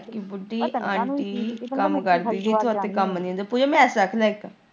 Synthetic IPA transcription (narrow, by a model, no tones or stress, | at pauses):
kibʊɖiːãːɳʈiːkəmkəɾd̪iːɡiːt̪ʰʊaːt̪eːkəmnĩːõnd̪aːpuːd͡ʒaːmɛ̃ɛːsəkʰlaːekaː